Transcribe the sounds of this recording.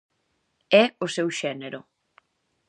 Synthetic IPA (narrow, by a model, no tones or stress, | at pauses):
ɛʊsewʃɛneɾʊ